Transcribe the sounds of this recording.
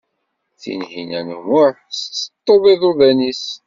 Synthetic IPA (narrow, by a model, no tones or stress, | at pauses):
θḭnhinænəmʊɾ | st͡sːət̪ˤːoðˤiðˤoðænis